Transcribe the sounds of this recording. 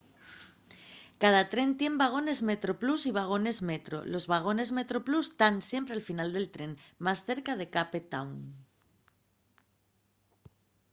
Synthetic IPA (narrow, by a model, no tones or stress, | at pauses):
kaðat̪ɾe̞nt̪je̞mbaɣ̞o̞ne̞zme̞t̪ɾo̞plusiβ̞aɣ̞o̞ne̞zme̞t̪ɾo̞̰lo̞zβaɣ̞o̞ne̞zme̞t̪ɾo̞plust̪ansje̞mpɾe̞alfinald̪e̞lt̪ɾe̞nmasθe̞ɾkað̞e̞kapet̪awn